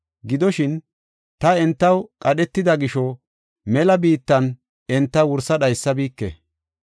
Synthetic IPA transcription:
ɡɪd̪ɔʃɪn | t̪ɐɛnt̪ːɐwkʼɐɗɛt̪ːɪd̪ɐɡɪʃɔ | mɛlɐbiːt̪ːɐn | ɛnt̪ːɐwʊɾsɐɗɐjsːɐbiːkːɛ̰

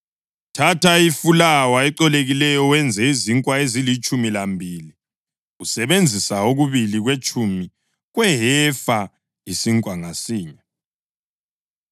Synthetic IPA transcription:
tʰatʰaifulawaɛǃɔleɣilɛjɔwɛnd͡zʱɛiziŋkʼwaezilit͡ʃʼumilambʱiːli | ɣusɛβend͡zʱisaoɣuβiliɣwet͡ʃʼumi | ɣwɛɦɛfa | isiŋkʼwaŋasiːɲa

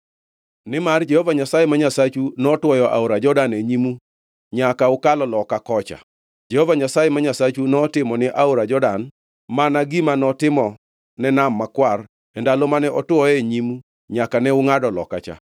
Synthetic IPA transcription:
nɪmard͡ʒɛhovaɲasajɛmaɲasat͡ʃunɔtwɔjɔʔa̰oɾad͡ʒɔdaneɲimu | ɲakaʊkalɔlɔkakɔt͡ʃa̰ | d͡ʒɛhovaɲasajɛmaɲasat͡ʃunɔtɪmɔnɪʔaoɾad͡ʒɔdan | manaɡimanɔtɪmɔ | nɛnamːakwar | ɛndalomanɛʔɔtwɔjeɲimu | ɲakanɛʊŋadɔlɔ̰ka̰t͡ʃa̰

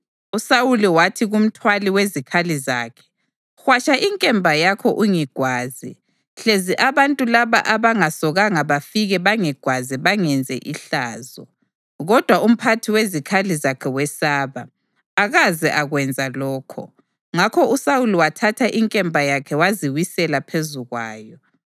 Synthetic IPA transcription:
usawuliwatʰiɣum̩tʰwaliwezikʰaliza̰ːkʰɛ̥ | xwat͡ʃaʔiŋkʼɛmbʱajakʰɔʔuŋiɡ̥ʱwaːzḭ | ɬeziʔaβantʼulaβa̰ʔaβaŋasɔɣaŋaβafiɣɛβaŋɛɡ̥ʱwaziβaŋɛnd͡zʱɛ̰ʔiɬaːzɔ̰ | ɣɔd̥ʱwaum̩pʰatʰiwezikʰalizakʰɛwɛsaːβaː | ɣazɛʔaɣwɛnd͡zʱalɔːkʰɔ̰ | ŋakʰɔusawuliwatʰatʰaʔiŋkʼɛmbʱajakʰɛwaziwisɛlapʰezuɣwa̰ːjɔ

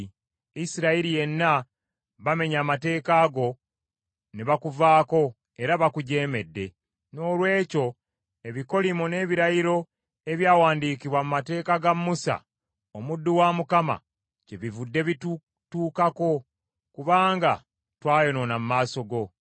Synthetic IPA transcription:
isiɾaiɾije̞nːa | βame̞ɲaːmate̞ːkaːɡo̞ | neβakuvaːko̞ | e̞ɾaβakuɟe̞ːme̞dːe̞ | no̞ːlwe̞ːco̞ | e̞βiko̞limune̞ːβiɾajiɾo̞ | e̞βjaːwaːndiːkiβwamumate̞ːkaɡamːusa̰ | omudːuwamukama̰ | ce̞βivudːe̞βitu | tuːkako̞ | kuβaːŋɡa̰ | twaːjo̞no̞namumaːso̞ɡo̞

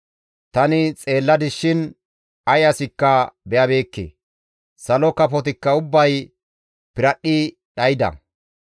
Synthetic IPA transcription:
t̪ɐnɪt͡sʼe̞ːlːɐd̪ɪʃɪn | ɐjɐsɪkːɐbɛjɐbe̞ːkːḛː | sɐlɔkɐpɔt̪ɪkːɐʊbːɐj | pɪɾɐɗːɪ | ɗɐjɪd̪ɐ̰

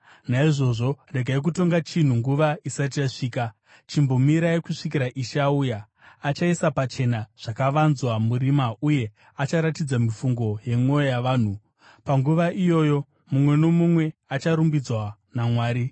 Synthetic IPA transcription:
naiʐo̞ʐo̞re̞ɡʱaik̬uto̞ŋɡat͡ʃin̤uŋɡuʋaisat̬ijaʂiːka | t͡ʃimbo̞miɾajekuʂikiɾaʔiʃaujaː | t͡ʃaisapat͡ʃe̞naʐ̥akaʋanzwamurimauje̞ | at͡ʃaɾatid͡zamifuŋɡo̞je̞ŋo̞jojaʋaːn̤u | paŋɡuʋaʔijo̞ːjo̞ | mumwe̞no̞mumwe̞at͡ʃaɾumbid͡zwa | namwaːɾi

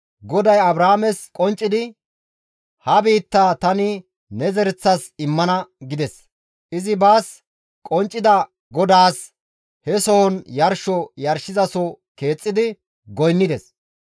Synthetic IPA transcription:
ɡɔd̪ɐjɐbɾaːmɛskʼɔnt͡ʃʼːɪd̪ɪ | hɐbiːt̪ːaːt̪ɐnɪ | nɛzɛɾɛt͡sːɐsɪmːɐnɐɡɪd̪ɛs | ʔɪzɪbaːs | kʼɔnt͡ʃʼːɪd̪ɐ | ɡɔd̪aːs | hɛsɔɔnjɐɾʃɔjɐɾʃɪzɐsɔ | ke̞ːt͡sʼːɪd̪ɪ | ɡɔjnːɪd̪ɛs

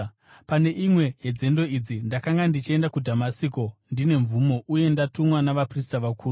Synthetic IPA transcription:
pane̞ʔimwe̞jed͡ze̞ndo̞id͡zindakaŋɡandit͡ʃie̞ndakudʱamasiko̞ndine̞ɱvumo̞ʔuje̞ndatumwanaʋapris̬taʋakuːru

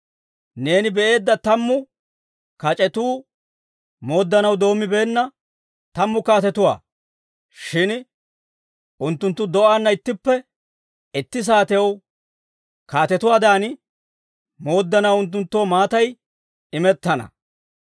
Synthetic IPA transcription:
ne̞ːnɪbɛʔe̞ːd̪ːɐt̪ɐmːʊ | kɐt͡ʃʼɛt̪uː | mo̞ːd̪ːɐnɐwd̪o̞ːmːɪbe̞ːnːɐ | t̪ɐmːʊkaːt̪ɛt̪ʊwa̰ː | ʃɪn | ʔʊnt̪ːʊnt̪ːʊd̪ɔʔanːɐɪt̪ːɪpːɛ | ɪt̪ːɪs̬aːt̪ɛjɐw | kaːt̪ɛt̪ʊwaːd̪aːn | mo̞ːd̪ːɐnɐwʊnt̪̬ːʊnt̪ːoːmaːt̪ɐj | ɪmɛt̪ːɐnɐ̰

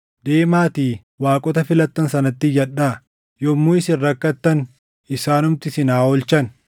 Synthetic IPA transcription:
d̪eːmaːt̪iː | waːkʼɔt̪ɐfɪlɐt̪ːɐnsɐnɐt̪ːɪjɐᶑaː | jɔmːuːɪsɪnːɐkːɐt̪ːɐn | ɪsaːnʊmt̪ɪsɪnaːɔlt͡ʃɐn

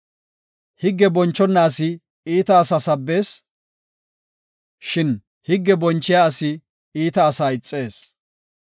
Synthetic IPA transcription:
hɪɡːɛbɔnt͡ʃːɔnːaːsɪ | iːt̪ɐːsɐsɐbːe̞ːs | ʃɪn | hɪɡːɛbɔnt͡ʃːɪjaɐsɪ | iːt̪ɐːsaːɪt͡sʼːe̞ːs

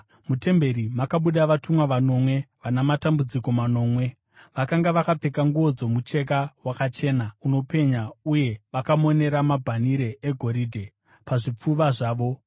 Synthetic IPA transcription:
mute̞mbe̞ɾimakaɓuɗaʋatumwaʋano̞mwe̞ʋanamatambud͡ziko̞mano̞ːmwe̞ | ʋakaŋɡaʋakap͡fekaŋɡuo̞d͡zo̞mut͡ʃe̞k̬awakat͡ʃe̞ːnauno̞pe̞ɲauje̞ʋakamo̞ne̞ɾamabʱaniɾe̞eɡʱo̞ɾiːdʱe̞ | paʐip͡fuʋaʐaːʋo̞

